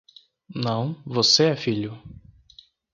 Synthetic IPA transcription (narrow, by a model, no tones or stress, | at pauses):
nɐ̃w̃voseɛfiʎʊ